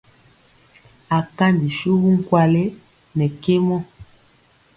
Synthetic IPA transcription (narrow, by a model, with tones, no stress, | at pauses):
a˨ka˦ndi˨ʃu˦ɣu˦ŋ̩˦kwa˦˨le˦ | nɛ˨ke˦mɔ˦